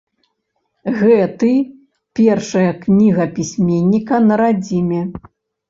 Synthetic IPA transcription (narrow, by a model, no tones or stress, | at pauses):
ɣɛt̪ɨ | pʲɛrʂɐjɐknʲiɣɐpʲisʲmʲenʲːikɐnɐɾad͡zʲimʲɛ